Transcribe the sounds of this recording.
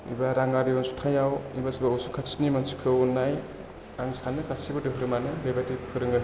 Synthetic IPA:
ḭbaɾaŋɡaɾijɔnsu̥tʰajawḭbasibausukʰasi̥nimansi̥kʰɯunːaj | aŋsanɯkʰasibɯdɯɦɯɾɯmanɯlebatipkʰɯɾɯŋɡɯ

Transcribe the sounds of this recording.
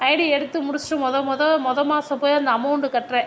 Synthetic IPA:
ɐɪɽiɛɽɯt̪ːɯmʊɽʊsʈɯ̃mɔðɐmɔðɐmɔðɐmaːsɐpoːjɐnd̪ɐɐmɐwʊɳɖɯkɐʈrɛ̃ː

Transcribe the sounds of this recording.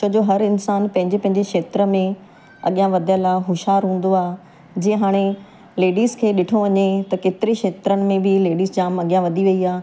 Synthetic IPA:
t͡ɕɐd͡ʑoɦɐɾɪnsaːnpɐ̃ɦɪ̃ɲd͡ʑepɐ̃ɦɪ̃ɲd͡ʑekʃeːt̪ɾə̆mẽ | ɐ̰ɠijãʋɐd̪ʱijalaːɦʊʃɦaːɾɦũːn̆d̪oaː | d͡ʑĩːẽɦaːɽ̃e | leːɖiːzkʰeːɗɪʈʰoʋɐɲet̪ɐkeːt̪ɪɾekʃeːt̪ɾəɽɪ̆mẽbʱɪleːɖiːzd͡ʑaːmɐɠijãʋɐd̪ʱiʋɐiaː

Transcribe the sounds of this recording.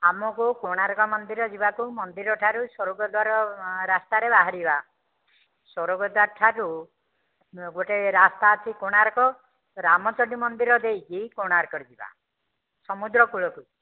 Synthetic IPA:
amɔkukoɽ̃aɾɔkɔmɔnd̪iɾɔd͡ʒibakumɔnd̪iɾɔʈʰaɾusɔɾɔɡɔd̪waɾɔɾast̪aɾebaɦaɾiba | sɔɾɔɡɔd̪aʈʰaɾu | ɡoʈeɾast̪aːt͡ʃʰikoɽ̃aɾɔkɔ | ɾamɔt͡ʃɔɖimɔnd̪iɾɔd̪ejkikoɽ̃aɾkɔɾd͡ʒiba̰ | sɔmud̪ɾɔkuɭɔku

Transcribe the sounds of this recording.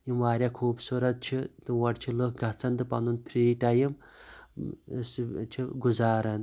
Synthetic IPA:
jimʋaːɾʲjakʰuːbsuɾɐt̪̚t͡ʃʰit̪ɨwɐʈt͡ʃʰilokɡʱɐt͡sʰɐnd̪ɨpɐ̰nunpʰɾiːʈajim | st͡ʃʰiɡuzaːɾɐn

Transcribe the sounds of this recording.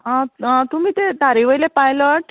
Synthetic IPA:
ɦãɦãt̪um̤iːt̪et̪aɾiʋəjlepajləʈ

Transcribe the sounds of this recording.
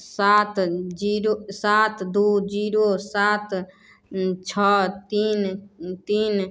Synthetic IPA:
sat̪ʰd͡ʒiɾosat̪ʰd̪ud͡ʒiɾosat̪ʰ | t͡ʃʰɔt̪int̪iːn

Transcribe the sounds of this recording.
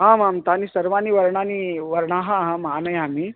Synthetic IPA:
ɦãmamt̪aniːsəɾʋaniːʋəɾɳaniʋəɾɳaɦãɦãmɦanəjamiː

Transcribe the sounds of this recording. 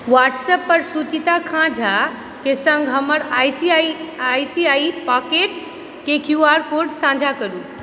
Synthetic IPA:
waʈsəpːəɾsut͡ʃit̪akʰãd͡ʒʱa | kesə̃ŋɡʱɦəməɾajsiaiajsiaipakeʈs | kekʰjuaɾkoɾɖsãd͡ʒʱakəɾu

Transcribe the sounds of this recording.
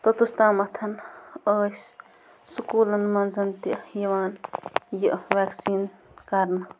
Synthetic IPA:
t̪ot̪ust̪aːmɐt̪ʰɐnəːs | sukuːlɐnmɐnzɐnt̪ijɐʋaːnjiʔʋaːksiːnkɐɾnɐ

